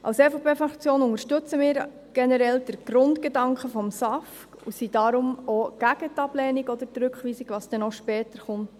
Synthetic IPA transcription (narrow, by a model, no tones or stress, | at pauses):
ʔɑ̰wsɛfopeːfɾɑkt͡sjoːnʊŋəɾʃtɵt͡səmɪːɾ | ɡ̥enɛɾɛld̥əɾɡ̥ɾʊndɡ̥edɑŋkəfɔmsɑf | kṵsid̥ɑɾʊmoɡ̥æɡ̥ət̪ɑb̥lɛːniɡɔd̪əɾtɾʉkχʋiːsiɡʋɑsd̥ɛnoʃpɛːtəɾχʊnt